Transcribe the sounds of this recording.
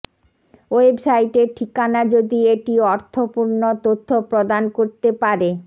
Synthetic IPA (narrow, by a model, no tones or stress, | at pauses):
oebsajʈeʈʰikanad͡ʑod̪ieʈiɔɾt̪ʰopuɾnot̪ot̪ʰːopɾod̪ankoɾt̪epaɾe